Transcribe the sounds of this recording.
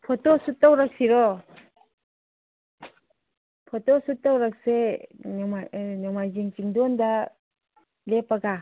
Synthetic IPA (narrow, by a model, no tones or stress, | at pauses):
pʰɔtɔsutːawɾak̚siɾɔ | pʰɔtɔsutːawɾak̚senmanɔmajziŋt͡ʃiŋdɔnda | lepaɡa